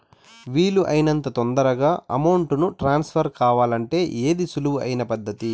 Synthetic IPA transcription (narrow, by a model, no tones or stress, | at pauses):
ʋiːluʔɐjinɐnt̪ɐt̪ond̪ɐɾɐɡaːʔɐmɐwɳʈunuʈɾaːnspʰɐɾkaːʋaːlɐɳʈe̞ːʔeːd̪isuluuɐ̰jinɐpɐd̪ʱːɐt̪i